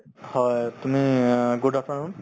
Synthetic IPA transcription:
hɔjtumiɡudʱapaɹʊn

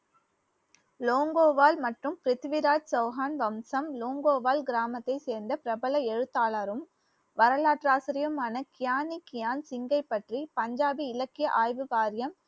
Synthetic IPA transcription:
loːŋɡoːʋaːlmɐʈrɯmpɪɾɪt̪ʋɪɾaːd͡ʒsɐʊɦaːnʋɐmsɐmloːŋɡoːʋaːlɡɪɾaːmɐt̪ːɐɪseːɾnd̪ɐpɪɾɐbɐlɐɛɻɯt̪ːaːlaːɾɯm | ʋɐɾɐlaːʈraːsɪɾɪjɐmaːnɐkɪjaːnikɪjaːnsɪŋɡɐɪpːɐʈripɐɲd͡ʒaːbiɪlɐkːɪjɐʔaːjʋɯʋaːɾɪjɐm

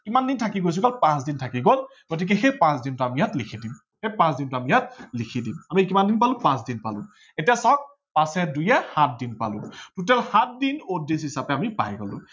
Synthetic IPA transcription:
kimandintʰakiɡojs̬uɡɔlpãsdintʰakiɡol | ɡ̥ot̬ik̬ɛxejpãsdintuamijatlikʰidim | hejpãsdintʊamijat̚likʰidimamikimandinpalʊ̃pãsdinpalʊ̰̃ | etijasɔk̚ | pasɛdujɛhat̚dinpa̰lʊ̰̃tut̬ɛlhat̚dinodisɦisapɛamipa̰jɡɔlʊ̰̃

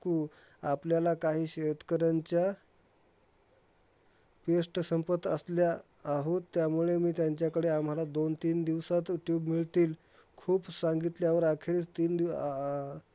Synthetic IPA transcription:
kuː | apljalakaɦiːɕet̪kəɾaɲt͡ɕja | pesʈsəmpət̪əsljaː | ɦot̪ːjamuɭemiːt̪jaɲt͡ɕjakəɽeam̤alad̪ont̪iːnd̪iʋsat̪juʈjuːbmiɭt̪iːl | kʰuːpsaŋɡit̪ljaʋəɾakʰeɾet͡st̪iːnd̪i

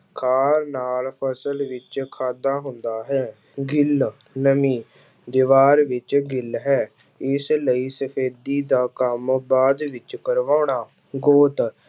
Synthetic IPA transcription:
kʰaːɾnaːlpʰəsəlʋɪt͡ʃkʰaːd̪aːɦʊnd̪aːɦɛː | ɡɪl | nəmiː | d̪ɪʋaːɾʋɪt͡ʃɡɪlɦɛː | ɪsləiːsəpʰeːd̪iːd̪aːkəmbaːd̪ʋɪt͡ʃkəɾʋaːɳaː | ɡoːt̪

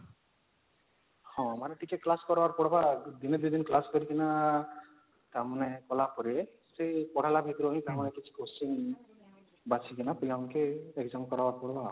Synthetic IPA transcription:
hɔ̃amaɾeʈikeklaskɔɾbaɾpɔɽbad̪ined̪ud̪inklaskɔɾikina | t̪amɔnɛkɔlapɔɾie | sepɔɽ̤alabʱit̪ɾɔɦĩt̪amɔnɛkit͡ʃʰi̥kosiŋ | bat͡ʃʰikɛnapilaʊnkeːkzamkɔɾabaɾpɔɽba

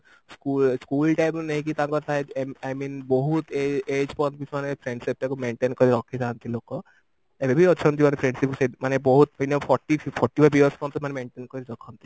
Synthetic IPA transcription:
skulskulʈajpnaɦĩkit̪ãŋkɔɾt̪ʰaeajminbɔɦut̪eed͡ʒpɔnt̪̚bit͡ʃʰmanepʰɾeɳɖsip̚ʈakumeɳʈenkɔɾiɔkʰːed͡ʒant̪ilokɔ | ebebʱiɔt͡ʃʰɔnt̪̬imanepʰɾẽɳɖsip̚ksemanebɔɦut̪̚inopʰɔʈːipʰɔʈːibʰabiəɾspɔ̃nmanemeɳʈenkɔɾd̪ɔkʰːɔnt̪i

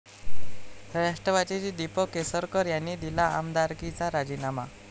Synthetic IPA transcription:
əɾaʂʈəʋat͡ɕit͡ɕid̪ipəkesəɾkəɾjanːid̪ilaa̰md̪aɾkit͡saɾad͡ʑinama̰

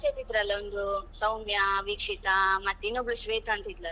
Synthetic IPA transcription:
set̪id̪ɾɐlːɐond̪usɐwmjɐʋiːkʂit̪ɐmɐt̪ːinːubluʃʋeːt̪ʰɐːnt̪id̪lɐ

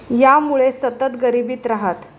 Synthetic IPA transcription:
jamuɭesət̪ət̪ɡəɾibiːt̪ɾaɦat̪

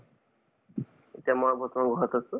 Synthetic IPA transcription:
etijamɔbɔt̪ɔmaɡʱɔɦɔt̪asu

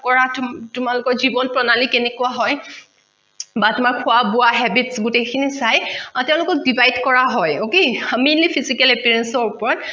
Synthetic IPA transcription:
kɔɹattʊmalʊkɔɹzibɔnpɹɔnalikenɛkuaɦɔj | batʊmaɹkʰʊabʊaɦɛbitsɡutekʰinisajatɛʊ̃lʊkɔk̚dibajdkɔɹaɦɔjokeaminlipʰizikɛlɛpiɹɛnsɔɹupɔɹɔt

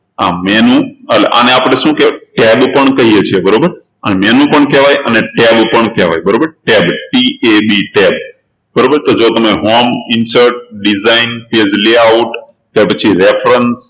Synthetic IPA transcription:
ãmenũəleʔa̰neapɽ̃eʃũkeʈebpəɳkəɦiet͡ʃʰiebəɾobəɾ | ənemenũpəɳkeʋajʔəneʈebpəɳkeʋa̰jbəɾobəɾʈebʈiʔebiʈeb | bəɾobəɾt̪od͡ʒot̪əmeɦomɪnsəɾʈ̚ɖizainped͡ʒleauʈt̪ːepət͡ʃʰiɾefɾəns

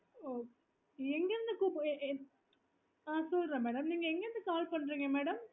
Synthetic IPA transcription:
oː | eŋɡenːɨkupʔ | aːsuːlrɐmæːɽɐmniːŋɡɐeŋɡɐnːɨkaːlpɐɳɖɾiŋɡemæːɽɐm

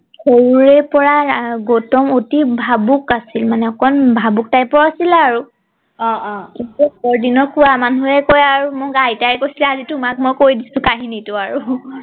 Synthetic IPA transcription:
xowɹɛpɔɹaɡotɔmotibʱabukasilmanɛɔkɔnbʱabuk̚tajpɔɹasilaɹu | ɔ̃kitubɔɹdinɔkuwamanuɛkojaɹumɔɡajtajɛkojsilɛazitumak̚mojkoɹjdisʊ̃kaɦinitʊaɹu

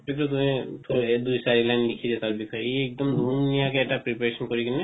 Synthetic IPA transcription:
pikɔt̪umĩt̪ʰud̪ujsaɹilajnlikʰizɛt̪aɹbikʰɔjeɛk̚d̪ɔmd̪unijakeɛʈapɹipaɹesɔnkɔɹikinɛ

